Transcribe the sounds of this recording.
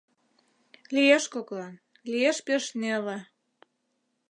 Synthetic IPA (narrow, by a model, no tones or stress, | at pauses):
lijeʃkoklɑn | lieʃpeʃnelĕ